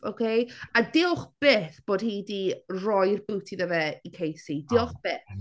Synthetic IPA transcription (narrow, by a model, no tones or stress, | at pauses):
o̰kʰejadɪʊχb̥eːθb̥oːd̥̚hiːdirɔjrbɨwtʰiðəvɛikʰejsidɪʊχb̥eːθ